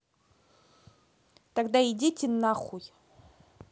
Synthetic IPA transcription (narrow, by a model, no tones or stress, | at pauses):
taɡd̪aidʲitʰʲinːaχuj